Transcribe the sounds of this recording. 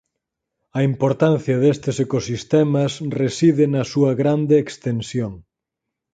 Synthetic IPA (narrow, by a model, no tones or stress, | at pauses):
ɐimpoɾt̪anθjɐðest̪esekosist̪ɛmɐsresiðɪnɐsuɐɣɾand̪eːkst̪ensjoŋ